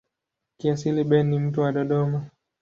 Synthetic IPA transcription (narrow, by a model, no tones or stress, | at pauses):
kiasiliɓɛnːim̩tuwaɗɔɗɔma